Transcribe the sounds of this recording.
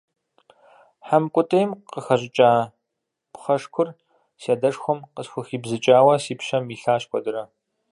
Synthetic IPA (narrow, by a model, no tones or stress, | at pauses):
ħamkʷʼʊtʼɐjmqəxɐʑʼɪt͡ʃʼaː | pχɐʂkʷʰʊr | siaːdɐʂxʷɔmqəsxʷʊxiːbzɨt͡ʃʼaːwɐsiːpɕɐmiːɬaːɕkʷʰʼɔdɨɾɐ